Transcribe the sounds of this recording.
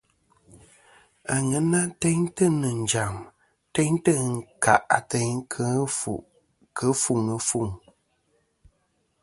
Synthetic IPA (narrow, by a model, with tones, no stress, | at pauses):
a˨ŋə˨˦na˦tɛ˦ɲtə˦nɨ˨n̩˨d͡ʒa˨m | tɛ˦ɲtə˦˨ŋ̩˨ka˨ʔa˨tɛ˦ɲkʰə˦fṵ˨ʔ | kʰə˨˦fu˦˨ŋə˨fu˦˨ŋ